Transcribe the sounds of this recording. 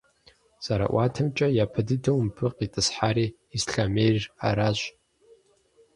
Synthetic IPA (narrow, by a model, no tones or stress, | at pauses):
saɾa̰ʔatʰɨmt͡ʃʼajapʰɨdɨdɨwmpʰɨqʼitʼɨsħaɾiː | sɬamejrra̰ɾaʃʷʼ